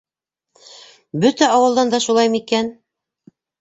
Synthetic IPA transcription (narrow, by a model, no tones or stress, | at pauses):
bɵt̪æɑwɤ̆lˠd̪ɑnd̪ɑʃulˠɑjmikæn